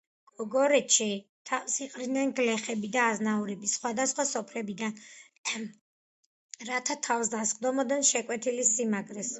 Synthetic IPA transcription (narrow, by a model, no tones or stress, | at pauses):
ɡɔɡɔɾɛt̪ʃʰit̪ʰasiqʼɾid̪nɛnɡlɛχɛbid̪aːznauɾɛbisχwad̪asχwasɔpʰlɛbid̪an | ɾat̪ʰat̪ʰafsd̪asχd̪ɔmɔd̪ɛnʃɛkʼwɛt̪ʰilisimaɡɾɛs